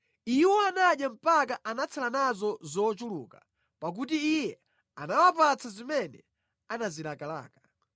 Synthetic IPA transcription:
iwɔanaɗjam̩pak̬aʔanat͡sʰalanazɔzɔːt͡ʃulṵːka | pak̬ut̬iːjɛ | anawap̬at͡sʰazimɛnɛ̰ | anazilakala̰ːka

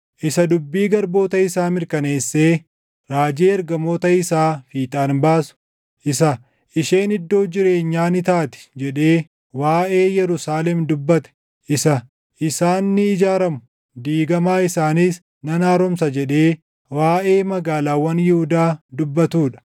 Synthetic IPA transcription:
ʔɪsɐd̪ʊbːiːɡɐɾbo̞ːt̪ɐɪsaːmɪɾkɐne̞ːsːeː | ɾaːd͡ʒeːɐɾɡɐmo̞ːt̪ɐɪsaːfiːt̪ʼaːnbaːsʊ̥ | ʔɪsɐ | ɪʃeːnɪd̪ːo̞ːd͡ʒɪɾe̞ːɲːaːnɪt̪aːt̪ɪ̥d͡ʒɛᶑe̞ː | waːʔe̞ːjɛɾʊsaːlɛmd̪ʊbːɐt̪ɛ̥ | ʔɪsɐ | ʔɪsaːnːɪɪd͡ʒaːɾɐmʊ̥ | d̪iːɡɐmaːɪsaːniːs | nɐnaːɾɔmsɐd͡ʒɛᶑe̞ː | waːʔe̞ːmɐɡaːlaːwɐnjɪhʊd̪aːd̪ʊbːɐt̪uːᶑɐ̥

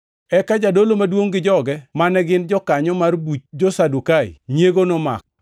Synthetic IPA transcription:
ɛkad͡ʒadolomadwoŋɡɪd͡ʒɔɡɛmanɛɡɪnd͡ʒɔkaɲɔmarbut͡ʃd͡ʒosadukaɪ̰ɲeɡonoma̰k̚

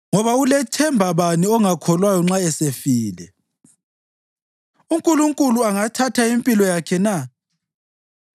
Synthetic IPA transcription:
ŋɔβaulɛtʰɛmbʱaβaniɔŋakʰɔlwajɔŋ͡ǁaɛsefiːlɛ̰ | uŋkʼuluŋkʼuluaŋatʰatʰaimpʼilɔjakʰɛna

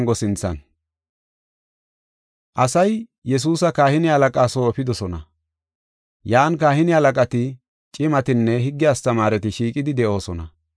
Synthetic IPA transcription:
ŋɡɔsɪnt͡sːɐ̰n | ʔɐsɐjjɛs̬uːsɐkaːhɪnɪhɐlɐkʼaːsoːɔpɪd̪ɔsɔnɐ | jaːnkaːhɪnɪhɐlɐkʼɐt̪ɪ | t͡ʃʼɪmɐt̪ɪnːɛɦɪɡːɪɐst̪ɐmaːɾɛt̪ɪʃiːkʼɪd̪ɪd̪ɛʔo̞ːsɔnɐ̰

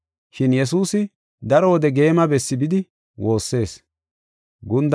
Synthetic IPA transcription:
ʃɪnjɛs̬uːsɪ | d̪ɐɾɔwɔd̪ɛɡe̞ːmɐbɛsːɪbɪd̪ɪ | wo̞ːsːe̞ːs | ɡʊnd̪

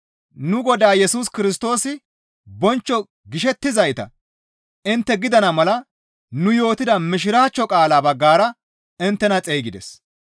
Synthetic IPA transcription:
nʊɡɔd̪aːjɛsuːskɪɾɪs̬t̪o̞ːsɪ | bɔnt͡ʃːɔ | ɡɪʃɛt̪ːɪzɐjt̪ɐ̰ | ɪnt̪ːɛɡɪd̪ɐnɐmɐlɐ | nʊjo̞ːt̪ɪd̪ɐmɪʃ̬ɪɾaːt͡ʃːɔkʼaːlaːbɐɡːaːɾɐ | ɪnt̪ːɛnɐt͡sʼejɡɪd̪ɛ̰s

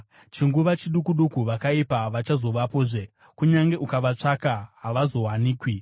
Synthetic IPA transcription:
t͡ʃiŋɡuʋat͡ʃiɗukuɗukuʋakaipaʋat͡ʃazo̞ʋapoːʐe | kuɲaŋɡe̞ʔukaʋat͡ʂakaɦaʋazo̞ɦwaniːkwi

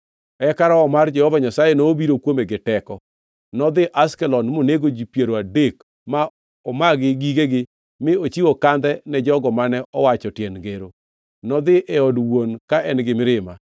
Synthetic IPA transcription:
ɛkaɾɔːmard͡ʒɛhɔvaɲasajenoːbiɾokwomeɡɪtɛkɔ | nɔd̪ɪʔaskɛlɔnmoneɡod͡ʒipjeɾoadek | ma | ɔmaɡɪɡiɡeɡɪ | mɪot͡ʃiwokand̪ɛnɛd͡ʒɔɡɔmanɛʔɔwat͡ʃɔtjɛnɡeɾo | nɔd̪ɪʔɛɔdwonkaʔɛnɡɪmɪɾɪma

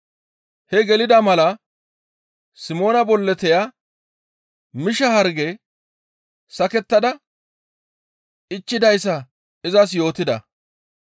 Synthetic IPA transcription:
hɛɡɛlɪd̪ɐmɐlɐ | sɪmo̞ːnɐbɔlːɛt̪ɛja | mɪʃɐhɐɾɡɛ | sɐkɛt̪ːɐd̪ɐ | ʔɪt͡ʃːɪd̪ɐjsːɐ | ɪzɐs̬jo̞ːt̪ɪd̪ɐ̰

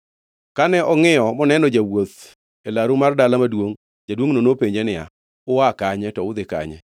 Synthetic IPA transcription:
kanɛʔɔŋɪjɔmɔnɛnɔd͡ʒawot̪ | elaɾumardalamadwoŋ | d͡ʒadwoŋnonopeɲd͡ʒenɪa̰ | ʊwakaɲɛtɔʊd̪ɪka̰ɲɛ̰

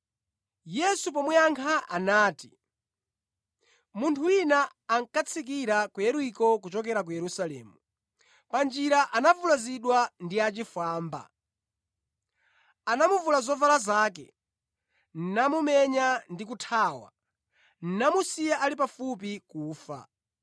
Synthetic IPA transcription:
jɛsup̬ɔmwɛaŋkʰaʔanaːti | muntʰuwinaː | ŋkat͡sʰik̬iɾakujɛɾuikɔk̬ut͡ʃɔk̬ɛɾak̬ujɛɾusalɛ̰ːmu | pand͡ʒiɾaʔanavulaziɗwandiat͡ʃifaːmba̰ | anamuvulazɔvalazaːk̬ɛ̰ | n̩namumɛɲandik̬utʰaːwa̰ | n̩namusiaʔalip̬afup̬ikuːfa̰

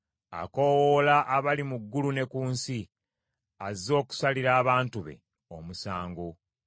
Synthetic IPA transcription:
a̰ko̞wolaʔːβalimuɡːulune̞kuːnsi | azːo̞ːku̥saliɾaːβaːntuβe̞̰ | omusaːŋɡo

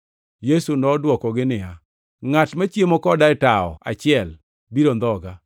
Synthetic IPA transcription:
jesunɔdwɔkɔɡɪnɪja | ŋatmat͡ʃjemɔkɔdaɛtaɔ̰a̰t͡ʃɪɛl | biɾond̪ɔɡa

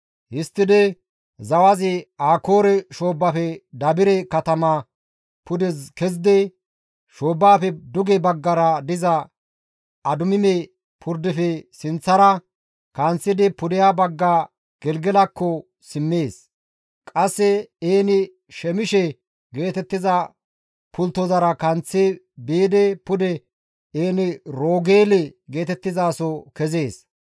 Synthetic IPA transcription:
hɪst̪ːɪd̪ɛ | zɐwɐzɪaːko̞ːɾɛʃo̞ːbːafɛd̪ɐbɪɾɛkɐt̪ɐma | pʊd̪ɛzkɛzd̪ɛ | ʃo̞ːbːaːfɛd̪ʊɡɛbɐɡːɐɾɐd̪ɪzɐ | ɐd̪ʊmɪmɛ | pʰʊɾd̪ɪfɛsɪnt͡sːɐɾɐ | kɐnt͡sːɪd̪ɪpʊd̪ɪjabɐɡːaː | ɡ̥ɛlɡɛlɐkːɔ | sɪmːe̞ːs | kʼɐsːɛeːnɪ | ʃɛmɪʃɛ | ɡe̞ːt̪ɛt̪ːɪzɐ | pʊlt̪ːɔzɐɾɐkɐnt͡sːɛ | beːd̪ɛpʊd̪ɛ | eːnɪɾo̞ːɡeːlɛɡe̞ːt̪ɛt̪ːɪzaːsɔkɛze̞ːs

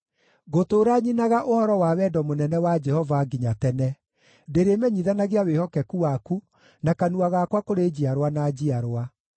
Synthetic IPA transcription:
ɣotoːɾaɲinaɣaʔohɔɾɔwawɛdɔmonɛnɛwad͡ʒɛhɔvaɡiɲatɛnɛ | deɾemɛɲiðanaɣeawehɔkɛkuwaku | nakanuaɣakwakoɾed͡ʑiaɾwanad͡ʑiaɾwa

